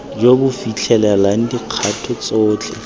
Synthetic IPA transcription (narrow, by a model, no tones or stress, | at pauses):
jobʊfit͡ɬʰɛlɛlaŋ̩diq͡χʰatʰʊt͡sɔːt͡ɬʰɛ̰